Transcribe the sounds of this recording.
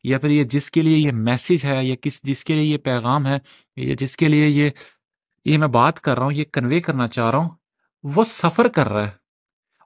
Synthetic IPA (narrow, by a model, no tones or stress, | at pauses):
japʰɪɾjed͡ʒɪskeliejemɛːsɪd͡ʒɦɛjakɪsd͡ʒɪskeliejepɛːɣaːmɦɛː | ja̰d͡ʒɪskelieje | jemɛ̃ːbaːt̪kɐɾːaːɦũjekɐnʋeːkɐɾnat͡ʃaːɦɾaːɦũ | ʋoːsɐfəɾkɐɾːaɛː